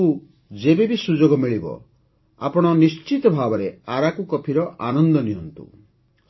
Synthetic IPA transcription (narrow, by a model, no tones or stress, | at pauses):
u | d͡ʒebebisud͡ʒoɡɔmiɭibɔ̰ | a̰pɔɽ̃ɔnist͡ʃit̪ɔbʱabɔɾeaɾakukɔpʰiɾɔʔanɔnd̪ɔniɦɔnt̪ṵ